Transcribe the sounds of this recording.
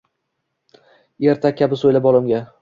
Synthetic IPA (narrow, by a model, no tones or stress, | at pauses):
e̞ɾt̪ʰakʲʰːabɪsojlabɒlˠɪmɡʲa